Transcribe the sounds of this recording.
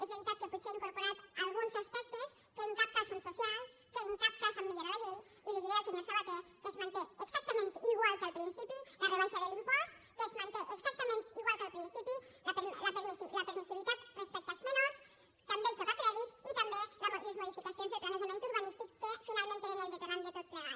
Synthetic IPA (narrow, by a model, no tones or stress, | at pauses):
ezβeɾit̪at̪̚kəpuseiŋkoɾpoɾat̪əlˠɣunzaspɛk̚t̪əs | kəimp̪ak̚t̪asunsusialˠskəimpak̚t̪asəmːeʎoɾaðəβewiliβiðaseɲesaβat̪ekəzmãnt̪eəkzak̚t̪əmẽnt̪iɣwalˠkəlˠpɾinsipilərəβonsaðəlimpɔst̪ | kəzmant̪eʔəkzak̚t̪əmẽnt̪iɣwalˠkəlˠpɾinsipiləpləpəɾsiləpəɾmisiβit̪at̪rəspɛk̚t̪azmenos | t̪ambet͡ʃɔkakɾaðit̪it̪ambelələzmoðifikasionzðəplanezəmẽnt̪uɾβanist̪ikkəfinalˠmẽnt̪əðəmond̪ət̪eɾand̪ət̪ɛk̚t̪a